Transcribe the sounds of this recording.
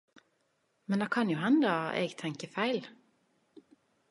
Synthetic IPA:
mɛnd̪ɛkʰɑnjʊɦɛnd̪əʔḛːɡt̪ʰɛŋkəfæɪl

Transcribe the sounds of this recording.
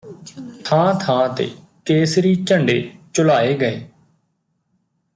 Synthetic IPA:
t̪ʰãːt̪ʰãːt̪ḛː | keːsɾiːt͡ʃəɳɖeːt͡ʃʊlaːeːɡəeː

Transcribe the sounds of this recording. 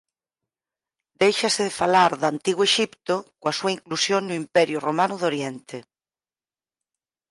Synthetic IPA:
d̪ejʃaseðefalaɾðant̪iɣwoeʃipt̪okoasuaiŋklusjoŋnʊimpɛɾjʊromanʊðoɾjent̪e

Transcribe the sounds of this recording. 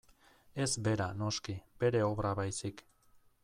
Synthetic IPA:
e̞zbe̞ɾano̞skibe̞ɾe̞o̞βɾaβajsik

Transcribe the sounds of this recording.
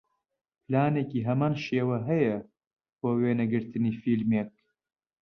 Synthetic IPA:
plaːneːkiːɦɐmaːnʃeːwɐɦɐjɐ | b̥oːweːnɐɡɨɾt̪ɨniːfilmeːk̚

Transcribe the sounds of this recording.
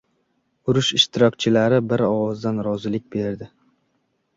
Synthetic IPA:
ʊɾʊʃɪʃt̪ʰɪɾɒkʲt͡ʃʰɪlaɾɪbɪɾɒwɒzd̪anɾɒzɪlɪk̚ʲbe̞ɾd̪ɪ

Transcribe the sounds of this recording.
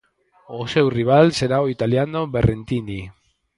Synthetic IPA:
osewriβalse̞ɾaɣoit̪aliano̞βerʔent̪ini

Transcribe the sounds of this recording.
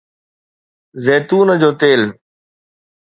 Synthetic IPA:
zeːt̪uːnəd͡ʑoːt̪eːl

